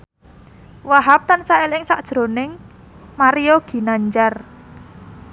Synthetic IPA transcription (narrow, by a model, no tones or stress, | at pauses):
waɦap̚t̪ansaelɪŋsaʔ̚d̥ʒ̥ɾo̤nɪŋ | maɾijoɡ̥i̤naɲd͡ʒar